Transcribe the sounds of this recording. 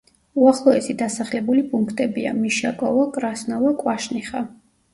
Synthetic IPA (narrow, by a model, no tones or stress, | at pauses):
uaχlˠɔɛsid̪asaχlɛbulipʼuŋkʰt̪ʼɛbia̰miʃakʼɔ̰vɔkʼɾasnɔvɔkʼwaʃniχa